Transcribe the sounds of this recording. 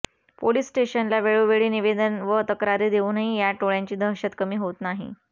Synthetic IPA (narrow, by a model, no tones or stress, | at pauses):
poliːsːʈeɕənlaʋeɭuʋeɭiːniʋed̪ənʋət̪əkɾaɾid̪euːnaɦijaʈoɭjaɲt͡ɕiːd̪ʱəɦɕət̪kəmiːɦot̪naɦḭ